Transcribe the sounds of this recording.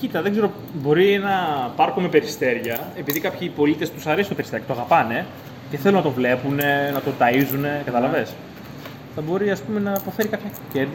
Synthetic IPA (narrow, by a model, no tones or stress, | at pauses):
cit̪it̪ɐðe̞ɡze̞ɾo | bo̞ɾienɐpɐɾxome̞pe̞ɾist̪e̞ɾʝɐepiðikɐpçipo̞lit̪est̪usɐɾesi̥t̪oeɾist̪eɾjkɐt̪oɐɣɐpɐne̞ | ce̞θe̞lunɐt̪o̞vle̞pune̞nɐt̪o̞t̪ɐizune̞kɐt̪ɐlɐve̞s | θɐbo̞ɾiɐspume̞nɐpo̞fe̞ɾikɐpçɐcend̪